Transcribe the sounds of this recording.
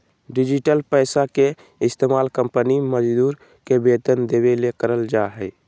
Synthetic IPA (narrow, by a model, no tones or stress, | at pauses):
ɖɪd͡ʒɪʈəlpɛːsake | ɪst̪eːmaːlkə̃mpəniməd͡ʒd̪uːɾ | kebeːt̪ənd̪eːbelekəɾəld͡ʒaɦɛɪ